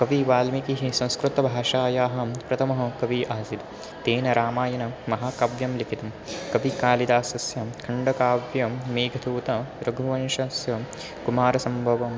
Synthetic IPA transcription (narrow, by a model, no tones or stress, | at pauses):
kɐʋiʋaːlmikiɦisɐ̃w̃skɾut̪ɐbʱaːʃaːjaːɦɐ̆pɾɐt̪ʰɐmɐɦɐkɐʋiʔaːsit̪ | t̪eːnɐɾaːmaːjɐnɐmɐɦaːkɐʋjɐmlikʰit̪ɐm | kɐʋikaːlid̪aːsɐsjɐkʰɐɳɖɐkaːʋjɐmeːɡʱɐd̪uːt̪ɐɾɐɡʱuʋɐnʃɐsjɐ | kumaːɾɐsɐmbʱɐʋɐm